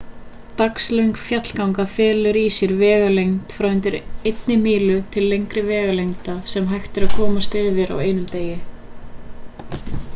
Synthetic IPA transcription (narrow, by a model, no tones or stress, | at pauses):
t̪akslœɥŋkfjat̪l̥kawŋkafɛːlʏɾisjɪɾvɛːɣalejŋt̪fɾawɪnt̪ɪɾejt̪nɪmiːlʏt̪ʰɪlːejŋkɾɪvɛːɣalejŋt̪asɛmɦajxt̪ɪɾaðkʰɔːmast̪ɪːðvɪɾa̰weːjnʏmt̪eːjɪ